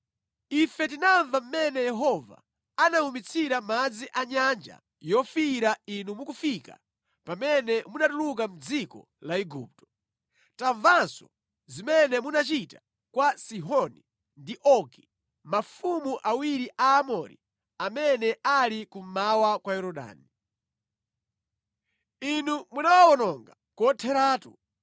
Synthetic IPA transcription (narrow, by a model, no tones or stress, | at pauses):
ifɛt̬inaɱvam̩mɛnɛjɛɦɔva̰ | anaumit͡sʰiɾamad͡ziʔaɲand͡ʒa̰ | jɔfiɾainumukufika̰ | pamɛnɛmunatuluk̬am̩d͡zikɔ̰ | laiɡṵːp̚tɔ̥ | taɱvansɔ̰ | zimɛnɛmunat͡ʃita | kwasiɦɔni | ndiʔɔɡi | mafumuʔawiɾiʔaːmɔɾḭ | amɛnɛalikum̩mawakwajɛɾɔɗa̰ːni | inumunawawɔnɔŋɡa | kɔtʰɛɾaːtu